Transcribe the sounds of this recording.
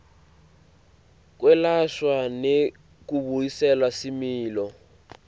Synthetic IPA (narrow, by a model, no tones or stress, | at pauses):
k̬wɛlaʃwane | kuβuisɛlasimiːlɔ